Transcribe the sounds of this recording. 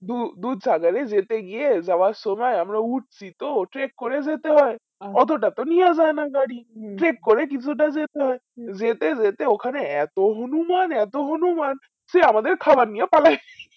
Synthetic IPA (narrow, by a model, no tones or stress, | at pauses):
d̪ud̪ud̪saɡaɾed͡zet̪eɡiezawasomajamɾauʈ̚ʰsit̪oʈɾekːoɾed͡zet̪eɦɔe | ɔt̪oʈat̪onijazajnaɡaɽiʈɾekːɔɾek̬it͡ʃʰuʈ̬azet̪eɦɔe | d͡zet̪ed͡zet̪eokʰaneɛt̪oɦonumanɛt̪oɦonuman | seamad̪eɾkʰabannːijapalaj